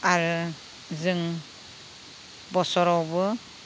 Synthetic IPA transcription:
aɾɯ | zɯŋ | bɔsɔɾɔwbɯ

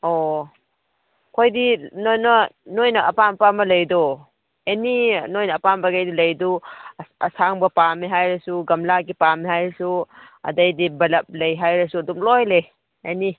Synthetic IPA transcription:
ɔ | kʰojdinojnɐnojnɐʔːpampamɐlɐjdɔ | eninojnɐːpambaɡajdilɐjduɐsaŋbɐpamiɦajɾɐsuɡɐmlaɡipamiɦajɾsu | ɐ̰dɐjdibɐlɐp̚lɐjɦajɾɐsuɐdumlɔjle | eni

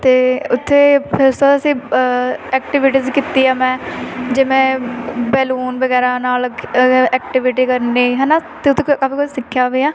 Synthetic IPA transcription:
t̪eːʊt̪ʰːeːpʰɪɾʊst̪oəsĩː | ɛːkʈɪʋɪʈiːzkit̪ːiːaːmɛ̃ːd͡ʒɪmẽːbɛːluːnbəɡɛːɾaːnaːlɛːkʈɪʋɪʈiːkəɾneːɦɛːnaːt̪eːʊt̪ʰːekaːpʰiːkʊt͡ʃsɪkʰːjaːʋiːaː

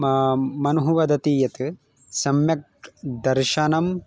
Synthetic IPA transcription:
mɐnuɦuʋɐd̪ɐt̪iːjɐt̪ɨ | sɐmjɐk̚ʈd̪ɐɾʃɐnɐm

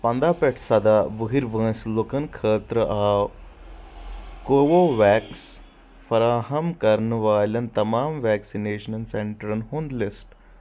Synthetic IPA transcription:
pɐ̃nd̪aːpeʈʰsɐd̪aʋəɦiɾʋə̃ːslokɐnkʰəːt̪ɾəʔa | koʋoʋɛks | fɐɾaːɦɐmkɐɾnʋaːlʲɐnt̪ɐmaːmʋɛksineːʃənɐnseɳʈɐɾɐnɦõnd̪lesʈ

